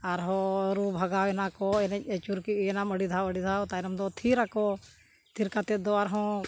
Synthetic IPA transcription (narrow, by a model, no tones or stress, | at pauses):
aɾɦoːɾuːbʱəɡaːwenakɔenet͡ʃuɾkienaməɽid̪ʱaːwəɽiːd̪ʱaːt̪ainɐmd̪ɔːt̪ʰiːɾakoː | t̪ʰiɾkat̪ed̪oaɾɦɔ̃ː